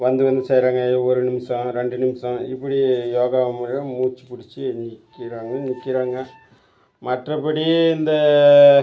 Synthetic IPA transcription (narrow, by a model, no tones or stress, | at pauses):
ʋɐnd̪ɯʋɐnd̪ɯsɐjɾaːŋɡɐɔɾɯnɪmɪsɐ̃ɾɛɳɖɯnɪmsɐ̃ɪpːɐɽijoːɣaːʋɐmɐɾɐmuːt͡ʃːɯ̥pʊɽɪt͡ʃːɯnɪkːɪɾaːŋɡɐnɪkːɪɾaːŋɡɐ | mɐʈrɐpːɐɽiɪnd̪ɐ